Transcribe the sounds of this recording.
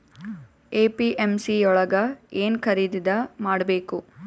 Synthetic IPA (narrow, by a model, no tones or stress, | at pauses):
eːpiʔemsiɔɭɐɡɐeːnkʰɐɾiːd̪id̪ɐmaːɽbeːku